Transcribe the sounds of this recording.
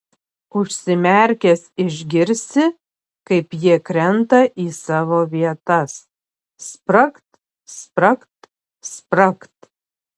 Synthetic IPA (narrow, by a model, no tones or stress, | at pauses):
ʊʃʲsʲɪmʲɛˑɾʲkʲesɪʒʲɡʲɪɾʲsʲɪ | kɐɪpjiɛkɾʲɛnt̪ɐʔiːsɑːʋoːʋʲiɛt̪ɐs | spɾɐkt̪ | spɾɐkt̪ | spɾɐkt̪